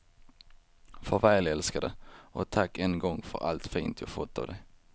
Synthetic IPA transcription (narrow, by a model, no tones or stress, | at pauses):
fœɾvɛːlɛlskad̪əʔɔt̪ʰakːɛnɡɔŋːfœ̰ɾa̰lt̪fiːnt̪ʰjɑːfɔt̪ʰːa̰vd̪ɛj